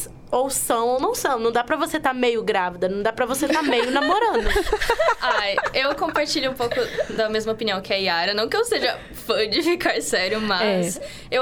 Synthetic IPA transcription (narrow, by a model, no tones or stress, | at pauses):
owsɐ̃w̃ownɐ̃w̃sɐ̃w̃nɐ̃w̃d̪apɾɐvoset̪aɾmejʊɡɾavid̪ɐnɐ̃w̃d̪apɾɐvoset̪aɾmejʊnamoɾɐ̃d̪ʊ | ajewkõpaɾt͡ʃilʎiũpowkʊd̪ɐmezmɐopiniɐ̃w̃kɪɛiaɾɐnɐ̃w̃kɪewseʒɐ | fɐ̃d͡ʒɪfikaɾsɛɾjʊmɐɛs | e